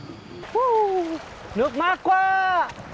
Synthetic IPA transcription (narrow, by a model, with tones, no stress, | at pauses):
u˦ | nu˨k̚ma˦kwa˦